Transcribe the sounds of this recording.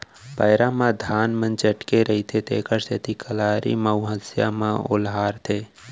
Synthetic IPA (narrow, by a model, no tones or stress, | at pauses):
paɪɾãmãd̪ʱaːnmə̃nt͡ʃəʈkeɾəɦit̪ʰet̪ḛːkəɾsʰet̪ikəlaːɾḭməʊɦəsja̰mãʊ̰lɦaːɾt̪ʰeː